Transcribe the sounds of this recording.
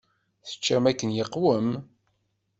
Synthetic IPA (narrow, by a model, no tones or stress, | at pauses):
θə̥t͡ʃːæmækːənjəqːwəm